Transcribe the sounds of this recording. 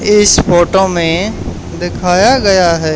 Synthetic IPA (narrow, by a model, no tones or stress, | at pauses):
ɪspoːʈoːmẽ | d̪ɪkʰaːjaɡɐjaɦɛː